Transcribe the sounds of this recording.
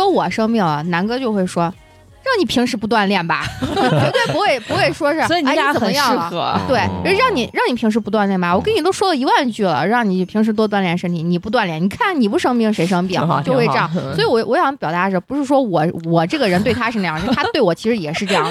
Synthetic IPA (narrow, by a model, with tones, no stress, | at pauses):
wɔ˥wɔ˨˩ʂɤ˥ŋmi˥˩ŋlə˩na˧˥nkɤ˧˥t͡ɕjo˥˧ʊxwe˥˩ɪʂwɔ˥ | ɻɑ˥˩ŋni˨˩pʰi˧˥ŋʂɻ̩˧˥pu˧˥t̪̬wa˥˧nljɛ˥˩nbɐ̰˩˥e˧˥t̪we˥˩pu˧˥xwe˥˩ɪpu˧˥xwe˥˩ɪʂwɔ˥ʂɻ̩˥˧ɔ˥i˨˩˥ə˨˧˩n˧˦jɑ˥˧˥t̪we˥˩ɪ˧˥ɻ̩˥˧ɻɑ˥˩ŋni˨˩ɻɑ˥˩ŋni˨˩pʰi˧˥ʂɻ̩˧˥pu˧t̪wa˥˧nljɛ˥˩nba˨˩wɔ˨˩kə˥ni˨˩t̪o˥ʊʂwɔ˥lə˨i˧˥wa˥˧nt͡ɕy˥˩lə̰˩ɻɑ˥˩ŋni˨˩pʰi˧˥ŋʂ̬ɻ̩˧˥t̪wɔ˥t̪̬wa˥˧nljɛ˥˩nʂə˥nt̪ʰi˧˩˥ni˨˩pu˧˥t̪wa˥˧nljɛ˥˩ni˨˩kʰa˥˩nni˨˩pu˧˥ʂɤ˥ŋmi˥˩ŋʂe˧˥ɪʂɤ˥ŋpi˥˩ŋ˧t͡ɕo˥˧xwe˥˧ʈ͡ʂɑ˥˧˩sɔ˧˥i˧˥wɔ˧˥˩wɔ˧˥ɕjɑ˧˥n˥pjɑ˨˩t̪a˧˥ʂə˧˥pu˧˥ʂɻ̩˥˧ʂwɔ˥wɔ˨˩wɔ˨˩ʈ͡ʂɤ˥˩ɡə˩ɻə˧˥nt̪wɪt̪ʰa˥ʂɻ̩˥˧a˧jt̪ʰt̪wɪwɔ˨˩t͡ɕʰi˧˥ʂɻ̩˧˥jɛ˨˩ʂɻ̩˥˧ʈ͡ʂɤ˥˧jɑ˥˩ŋ˩